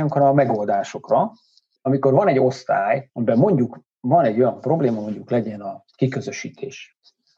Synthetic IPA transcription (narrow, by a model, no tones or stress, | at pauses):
uŋkrɒːmɛɡo̞ld̪aːʃo̞krɒ | ɒmiko̞rvɒnɛɟːo̞st̪aːjɒmibɛmmo̞ɲɟuk | vɒnɛɟːo̞jɒmpro̞bleːmɒmo̞ɲɟuklɛɟɛnɒ | kikø̞zø̞ʃiːt̪ʰeːʃ